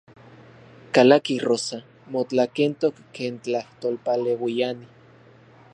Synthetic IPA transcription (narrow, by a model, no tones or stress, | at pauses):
kalakirosa | mot͡ɬakent̪okːeːnt͡ɬaht̪olpalewijani